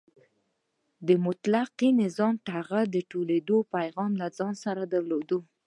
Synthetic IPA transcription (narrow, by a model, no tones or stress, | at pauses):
d̪əmʊt̪laqinɪzɑmʈaɣad̪əʈoled̪opajɣɑmlad͡zɑnsaɾad̪aɾlod̪o